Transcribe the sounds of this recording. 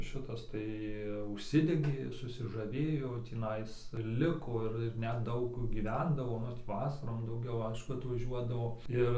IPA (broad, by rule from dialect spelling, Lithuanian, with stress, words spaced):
ˈʃʲɪtɐs ˈtɐɪ ʊʃʲˈsʲɪdʲɛɡʲeː sʊsʲɪʒɐˈʋʲeːjoː tʲiːˈnɐɪs ˈlʲɪkoː ɪr ɪr nʲɛt ˈdɐʊk ɡʲiːˈʋʲɛndɐʋoː ˈnʊ tʲiː ˈʋɑːsɐroːm dɐʊˈɡʲɛʊ ˈɐɪʃkʊ ɐtʋɐˈʒʲuɔdɐʋoː ˈɪr